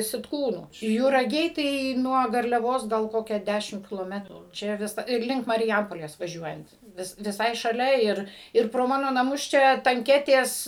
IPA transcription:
sʲɪtˈkuːnuː jʊrɐˈɡʲɛɪ tɐɪ nuɔ ɡɐrʲlʲɛˈʋoːs ɡɐlˠ ˈkoːkʲɛ ˈdʲæːʃʲɪm kʲɪlˠoːˈmʲæːtrʊ ˈt͡ʃʲɛ ˈʋʲɪsɐ ɪr ˈlʲɪŋk mɐrʲˈjɛmpoːlʲeːs ʋɐˈʒʲuɔjɛnt ˈʋʲɪs ʋʲɪˈsɐɪ ʃɐˈlʲɛ ˈɪr ˈɪr proː ˈmɑːnoː nɐˈmʊs ˈt͡ʃʲɛ tɐŋʲˈkʲæːtʲeːs

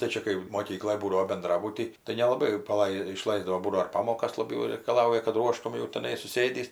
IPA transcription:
tɐɪ ˈt͡ʃʲɛ kɐɪ moːˈkʲiːklˠoːj ˈbuːdɐʋoː bʲɛnˈdrɑːbʊtʲiː tɐɪ nʲɛlˠɐˈbɐɪ jɛʊ pɐˈlˠɐɪ ɪˈʃlˠɐɪzdɐʋoː ˈbuːdɐʋoː ɪr ˈpɑːmoːkɐs lˠɐˈbʲɛʊ rʲɛɪkɐˈlˠɐʊjɛ kɐt ˈruɔʃtʊm jɛʊ tʲɛˈnɐɪ sʊˈsʲeːdʲiːs

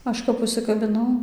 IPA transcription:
ˈɐʃ kɐp ʊʃʲsʲɪkɐbʲɪˈnɐʊ

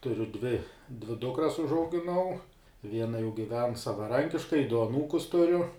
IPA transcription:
tʊˈrʲʊ dʲʋʲɪ dʲʋʲɪ ˈdʊkrɐs ʊʒɐʊɡʲɪˈnɐʊ ˈʋʲiɛnɐ jɛʊ ɡʲɪˈʋʲɛn sɐʋɐˈrɐŋʲkʲɪʃkɐɪ dʊ ɐˈnuːkʊs tʊˈrʲʊ

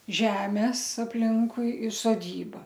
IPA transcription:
ˈʒʲæːmʲɛs ɐpʲˈlʲɪŋkʊɪ ɪr soːˈdʲiːbɐ

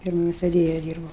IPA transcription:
ˈfʲiɛrmoːs ʋʲɛˈdʲeːjɛ ˈdʲiːrbɐʊ

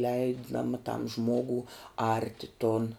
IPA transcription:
ˈlʲɛɪdɐm tɐm ˈʒmoːɡʊ ˈɐrʲtʲɪ toːn

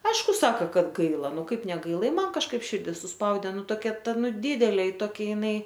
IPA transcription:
ˈɐɪʃkʊ ˈsɑːkɐ ˈkɐt ˈɡɐɪlˠɐ ˈnʊ ˈkɐɪp nʲɛˈɡɐɪlˠɐ ɪ ˈmɐn kɐʃˈkɐɪp ˈʃʲɪrʲdʲɪ sʊˈspɐʊdʲeː ˈnʊ toːˈkʲɛ ˈtɐ ˈnʊ ˈdʲɪdʲɛlʲeː toːˈkʲɛ jɪˈnɐɪ

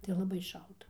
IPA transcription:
tɐɪ lˠɐˈbɐɪ ˈʃɐlˠtɐ

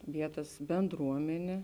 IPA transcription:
ˈʋʲiɛtɐs bʲɛnˈdruɔmʲɛnʲeː

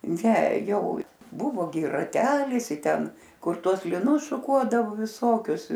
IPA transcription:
ˈnʲɛ ˈjɛʊ ˈbʊʋoː ɡʲɪ rɐˈtʲæːlʲɪs ɪ ˈtʲɛn ˈkʊr ˈtuɔs lʲɪˈnʊs ʃʊˈkuɔdɐʋʊ ʋʲɪˈsoːkʲʊs

